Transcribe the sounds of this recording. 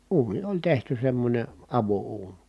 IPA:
uːni olʲ tehty semːonʲe ɑʋouːn̥

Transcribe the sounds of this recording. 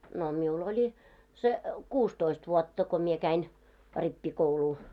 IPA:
no miul olʲi se kuːstoist ʋuɔtːɑ ko mie kæin ripːikouluː

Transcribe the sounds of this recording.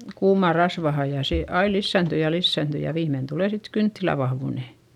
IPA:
kuːmɑˑr rɑsʋɑhɑj jɑ seˑ ɑi lisːæˑnty jɑ lisːæˑnty jɑ ʋiːmːein tuleˑ sit kyntːilæ ʋɑhʋuˑne

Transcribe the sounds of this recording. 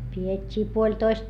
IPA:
pietʲːiː puolʲtoist

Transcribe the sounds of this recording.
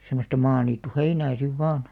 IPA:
semːostɑ mɑːniːtːuheinæː siʋ ʋɑːn

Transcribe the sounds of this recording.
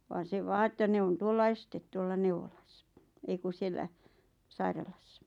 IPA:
ʋɑːn se ʋɑː etːæ ne on tuolːɑ estet tuolːɑ neuʋolɑ̥sːɑ̥ ei ku sielːæ sɑirɑlɑsːɑ̥

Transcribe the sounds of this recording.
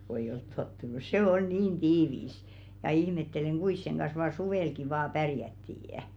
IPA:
ko eij̆ olt totːunus seˑ ol niːn tiːʋis jɑ ihmetːeleŋ ɡ̊uis seŋ ɡ̊ɑns ʋɑː suʋeˑlki ʋɑː pærjætːiː

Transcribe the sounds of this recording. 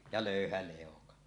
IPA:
jɑ løˑyhæ leˑokɑ

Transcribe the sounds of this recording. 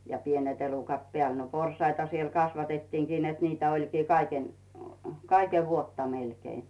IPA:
jɑ pienet elukɑt pĕæˑl no porsˑɑitɑ siel kɑsʋɑtetːiːŋkin net niːtæ olʲkiː kɑi kɑikeʋ ʋuotːɑ melkei

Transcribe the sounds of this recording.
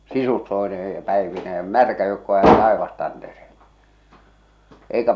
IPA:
sisustoeneː jɑ pæeʋineː j̆ɑ̆ mærkæ joukːo jæe tɑeʋɑstɑntereːlːe eˑikæ

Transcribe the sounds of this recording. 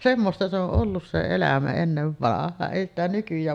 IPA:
semːostɑ se oʔ ʔolːus se elæmæ enːeʋːɑnɑhˑɑːn eˑi stæ nykyjˑæːn

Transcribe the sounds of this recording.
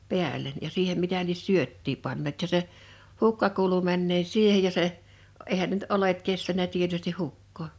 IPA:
pi̞ælˑen jɑ siːhem mitæ lies syøtːiː pɑnːeːt jɑ se hukːɑ kuːlu mænːeː siːhej jɑ se eihæn ne ny̆t olet kestænæ tietysti hukːoː

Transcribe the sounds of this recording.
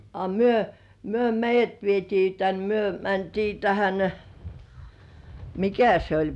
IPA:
ɑ myø myø meijːæt ʋietiː tæn myø mæntiː tæhæn mikæ se olʲ

